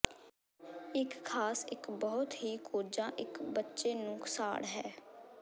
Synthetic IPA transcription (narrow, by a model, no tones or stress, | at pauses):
ɪkkʰaːsɪkbəɦʊt̪ɦiːkʰoːd͡ʒãːʔɪkbətːʃeːnũːkʰəsa̰ːɽɦɛː